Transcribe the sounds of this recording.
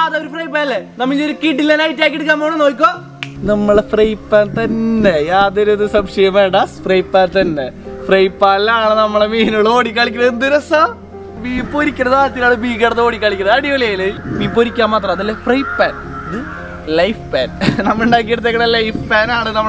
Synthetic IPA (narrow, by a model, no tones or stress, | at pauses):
ɐðɐoɾufrɐjp̬ːaːnɐlenɐmːiɲoɾukiːʈːilːenaːjit̬ːaːkʲːiːeɽuk̬ːaːmoːɳɨnoːik̬ʲːoː | nɐmːɐɭfrɐjpːaːnt̪ɐnːe̞jaːðoɾuðɨsɐbʂɐjɐmeːɳɖasfrɐjpːaːnt̪ɐnːefrɐjpːaːlaːɳɨnɐmːɐɭemiːnoɭɨoːɽik̬ʲːaːɭikʲːunɐðɨnd̪iɾɐsɐ | biːpːoːɾikʲːɐnːɐðaːɐt̪ːinaːɽɨbiːkɐɽɐðɨoːɽikʲːaːɭikʲːunɐðɐɽijolejilebiːpːoːɾikʲːaːmaːt̪rɐmɐðɐlːefrɐjpːaːn | ɐðɨ | lɐjfpaːnnɐmːuɳɖaːk̬ːiːeɽut̪̬ːekːɐɽelɐjfpaːnaːɳɨnɐmːɐɭ